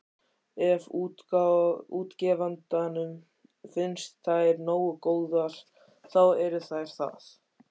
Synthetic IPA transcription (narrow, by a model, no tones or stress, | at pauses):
ɛv | uːt̪cɛːvant̪anʏm | fɪnst̪ʰːajɾnoːwʏkoːwðaɾ̥ | θawɛɾʏθajɾ̥θa̰θ